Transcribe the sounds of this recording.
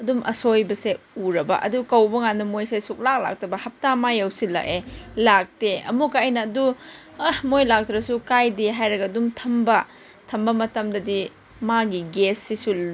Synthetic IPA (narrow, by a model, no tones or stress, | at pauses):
ɐdumʔɐ̰sojbɐseuɾɐbɐ̰ʔɐ̰dukɐwbɐŋanːɐmojsesuk̚lak̚la̰k̚tɐbɐhɐp̚tamajɐwsilɐ̰ʔelak̚teɐ̰mukaɐjnɐːdu | ɐhmojlak̚tɾɐsukajdeɦajɾɐɡɐdumtʰɐmbɐ | tʰɐmbɐmɐtɐmdɐdi | maɡiɡesːisu